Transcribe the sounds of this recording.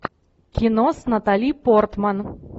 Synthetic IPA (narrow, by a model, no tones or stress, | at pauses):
kʲinosnɐt̪alʲipɔrt̪man